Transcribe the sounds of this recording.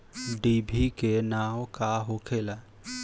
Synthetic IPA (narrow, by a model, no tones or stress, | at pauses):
ɖibʱikenaːwkaɦokʰela